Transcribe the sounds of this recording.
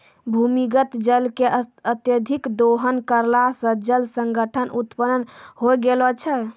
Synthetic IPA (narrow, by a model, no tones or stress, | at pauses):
bʱumiɡət̪d͡ʒəlkeət̪jəd̪ʱikd̪oɦənkəɾlasə̃d͡ʒəlsəŋɡəʈʰənʔut̪pənənhojɡelɔt͡ʃʰə